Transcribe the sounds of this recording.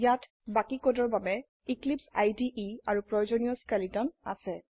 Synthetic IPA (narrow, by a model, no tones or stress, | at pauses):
jat | bakikodɔɹbabɛ | iklipsajdiʔiaɹupɹɔjozɔnijɔskalitɔna̰sɛ